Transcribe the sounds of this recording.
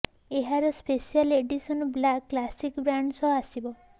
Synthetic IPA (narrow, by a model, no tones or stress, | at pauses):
eɦaɾɔspesialeɖisɔnɔblakːlasikbɾaɳɖsɔɦasibɔ